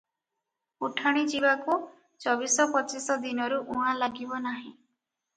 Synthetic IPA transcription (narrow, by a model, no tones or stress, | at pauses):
uʈʰaɽ̃id͡ʒibaku | t͡ʃɔbisɔpɔt͡ʃisɔd̪inɔɾuʔuɦãlaɡibɔnaɦĩ